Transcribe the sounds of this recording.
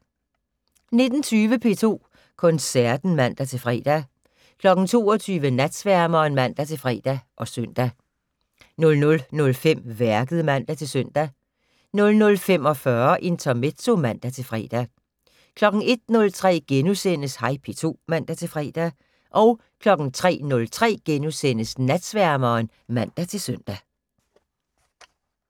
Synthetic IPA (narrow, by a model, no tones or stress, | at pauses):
ne̝d̥n̩t͡sʰyːʋəpʰe̝t͡sʰo̝̰ː | kʰɔ̽nsæɐ̰d̥n̩mæn̰d̥æt͡sʰe̝lfʁɛ̰ːd̥æ | kʰlɒ̽ɡ̥n̩t͡sʰo̝̰ːɒt͡sʰyːʋənæd̥sʋæɐmɐːnmæn̰d̥æt͡sʰe̝lfʁɛ̰d̥æʔɒ̽søn̰d̥æ | nɔ̽lnɔ̽lnɔ̽lfem̰ʋæɐɡ̥əð̞̩ˠəmæn̰d̥æt͡sʰe̝lsøn̰d̥æ | nɔ̽lnɔ̽lfemɒ̽fɶɐʔe̝nt͡sʰɒme̥t͡so̝mæn̰d̥æt͡sʰe̝lfʁɛ̰ːd̥æ | kʰlɒ̽ɡ̥n̩e̝d̥̚nɔ̽lt͡sʰʁɛ̰ːɡ̥enusen̰əshɑ̈ɪpʰe̝t͡sʰo̝̰ːmæn̰d̥æt͡sʰe̝lfʁɛ̰ːd̥æ | ʔɒ̽ʊ | kʰlɒ̽ɡ̥n̩t͡sʰʁɛ̰ːnɔ̽lt͡sʰʁɛ̰ːɡ̥enusen̰əsnæd̥sʋæɐmɐːn | mæn̰d̥æt͡sʰe̝lsøn̰d̥æ